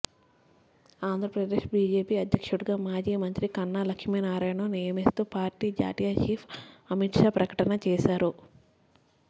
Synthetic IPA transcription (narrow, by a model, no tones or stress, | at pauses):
aːnd̪ʱɾɐpɾɐd̪eːʂbiːd͡ʒeːpiːɐd̪ʱjɐkʂuɽuɡaːmaːd͡ʒiːmɐnt̪ɾikɐnːaːlɐkʂmiːnaːɾaːjɳɐnijɐmist̪uːpaːɾʈiːd͡ʒa̰ːt̪ijaːt͡ʃiːpʰɐmiʈʂaːpɾɐkɐ̥ʈɐnɐt͡ʃɛːʃaːɾu